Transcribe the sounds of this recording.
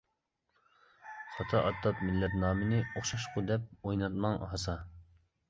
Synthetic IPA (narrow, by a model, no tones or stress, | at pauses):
sʰɑt̪ʰɑʔɑt̪ːɑt̪̚mɪlːɛt̪nɑːmɨnɪoχʃɑʃqʊd̪ɛp̚ojnɑt̪mɑŋɦɑsɑ